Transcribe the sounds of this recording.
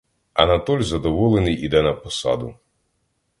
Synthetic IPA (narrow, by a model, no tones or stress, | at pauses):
ɐnɐt̪ɔlʲzɐd̪ɔʋɔlˠɛnɨjʔid̪ɛnɐpɔsa̰d̪u